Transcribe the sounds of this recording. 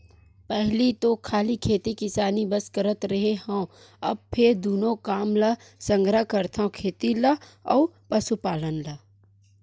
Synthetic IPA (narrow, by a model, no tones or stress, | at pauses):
pɛɦlit̪okʰaːlikʰeːt̪ikɪsaːnibɐskəɾət̪ɾɐɦeɦõː | ɐ̰b̚pʰɪɾd̪uːnõkaːmlə | sə̃ŋɡɾəkəɾt̪ʰãkʰeːt̪ilɐɔ̰ːɾpɐsupaːlənlɐ